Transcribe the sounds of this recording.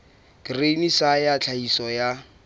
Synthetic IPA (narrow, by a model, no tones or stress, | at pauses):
krenisajat͡ɬʰaisɔja